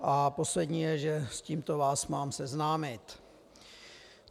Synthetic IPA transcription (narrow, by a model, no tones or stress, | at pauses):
ʔapo̞slɛdɲiːjɛʒɛsciːmt̪ovaːsmaːmsɛznaːmɪt̪